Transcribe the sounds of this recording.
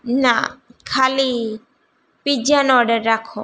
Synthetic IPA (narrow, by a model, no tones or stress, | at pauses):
nakʰali | pid͡ʒanɔɾɖəɾːakʰo